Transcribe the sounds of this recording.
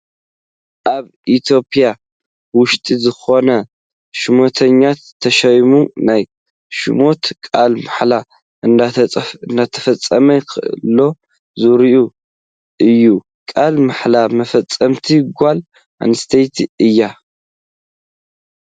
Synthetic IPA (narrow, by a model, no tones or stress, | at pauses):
ʔaβ | it̪ʰo̞pʰʼija | wʊʃt̪ʼizɨxo̞nɐ | ʃɨmo̞t̪ʰɐɲːat̪ʰːɐʃɐjmunaj | ʃɨ̰mo̞t̪kʼalmaħla | ɨnɨnd̪at̪ʰɐ̥fɐt͡sʼːɐmɐjkʰɨʔɨ̰lːo̞ | zuɾiʔu | ʔɨjːu | kʼalmaħlamɐfɐt͡sʼːɐmt̪ʰiɡʷal | ʔa̰nst̪ʰɐjt̪ʰiɨjːa